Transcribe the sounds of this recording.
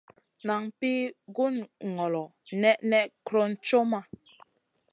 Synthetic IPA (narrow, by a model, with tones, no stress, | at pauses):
na˨ŋpi˦ɡu˦nŋɔ˨lɔ˨nɛ˦ʔnɛ˦ʔkɾo˦n̩˦t͡ʃo˦ma˨